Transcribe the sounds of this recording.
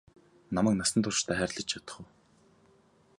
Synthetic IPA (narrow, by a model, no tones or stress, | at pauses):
namæːk̚nasə̆nt̪ʰʊrʃt̪ʰæːχæːrʲɮə̆t͡ɕʰjat̪ə̥̆χə̆w